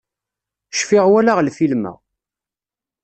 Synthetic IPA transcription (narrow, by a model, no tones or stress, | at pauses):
ʃfiʁwælaʁlfilmæ̰